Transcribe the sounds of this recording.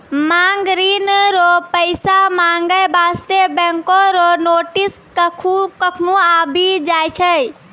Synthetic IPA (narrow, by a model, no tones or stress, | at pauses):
maŋɡɾinɾopəɪsamaŋɡəjbaːst̪ebɛ̃ŋkõɾonoːʈiskəkʰukəkʰnuabid͡ʒajt͡ʃʰəj